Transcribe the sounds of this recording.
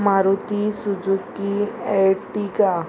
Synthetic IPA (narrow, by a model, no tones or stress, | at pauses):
maːɾut̪isʊd͡ʒukkːieʈika